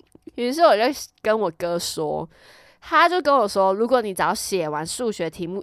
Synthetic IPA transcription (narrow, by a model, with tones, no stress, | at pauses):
i˧˥˧ʂɻ̩˥˩wɔ˨˩t͡ɕo˥˩ʊkə˦nwɔ˨˩kɤ˥˦ʂwɔ̰˥ | t̪ʰa˥t͡ɕjo˥˩ʊkə˦nwɔ˨˩ʂwɔ˥ɻu˧˥kwɔ˨˦ni˨˩t͡sɑ˧˥ʊɕjɛ˨˩wa˧˦nʂu˥˩ɕɥɛ˧˥t̪ʰi˧˥mu˥˩